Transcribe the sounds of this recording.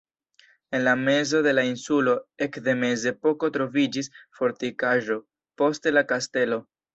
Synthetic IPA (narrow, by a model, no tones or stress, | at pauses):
e̞nlame̞zo̞de̞lainsulo̞e̞kd̪e̞me̞ze̞po̞ko̞tɾo̞vid͡ʒisfo̞ɾtikaʒo̞ | po̞stelakaste̞lo̞